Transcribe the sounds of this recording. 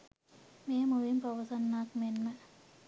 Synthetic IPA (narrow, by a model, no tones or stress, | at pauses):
meːmuʋimpɐʋɐsɐnːaːkmenmə